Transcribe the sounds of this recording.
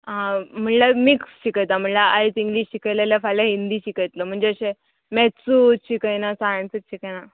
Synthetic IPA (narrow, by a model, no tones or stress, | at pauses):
ãm̤əɳlamiːkɕikəjt̪am̤əɳlaajt͡siŋɡliːɕɕikəjleljafajlaɦind̪iːɕikəjt̪ləm̤əɳd͡zeəɕe | mɛsuːt̚t͡ɕʰikəjnasaɳt͡sət̪̚ɕʰikəna